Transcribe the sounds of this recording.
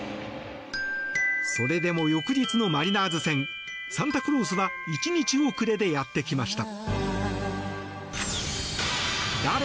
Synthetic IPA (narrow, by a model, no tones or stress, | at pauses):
so̞ɾe̞d̪e̞mo̞jo̞kɯ̟d͡ʑit͡sɨno̞maɾʲinaːzɨsẽ̞ŋ | sãnt̪akɯ̟ɾo̞ːs̬ɨβa | it͡ɕiɲ̟it͡ɕio̞kɯ̟ɾe̞d̪e̞jat̪ːe̞kʲimaɕi̥t̪a | d̪aɾe